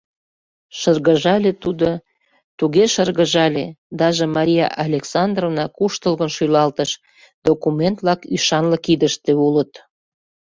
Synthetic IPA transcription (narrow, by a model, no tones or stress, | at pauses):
ʃərɣəʒɑlʲet̪ud̪o | t̪uɣeʃərɣə̆ʒɑlʲed̪ɑʒĕmɑɾʲijɑ̰ʔɑlʲeksɑnd̪rovnɑkuʃt̪əlɣənʃyjlɑlt̪əʃ | d̪okument̪lɑkyʃɑnləkid̪əʃt̪ĕulət̪